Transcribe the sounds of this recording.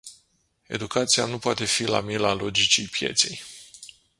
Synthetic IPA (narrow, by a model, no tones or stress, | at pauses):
e̞̰d̪ukat̪sia̰nupoat̪e̞fila̰milalo̞d͡ʒit͡ʃijpje̞̰t̪sej